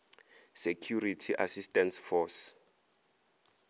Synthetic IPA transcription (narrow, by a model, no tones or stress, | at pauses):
sekʰjuritʰiʔasistʼɛnsfɔs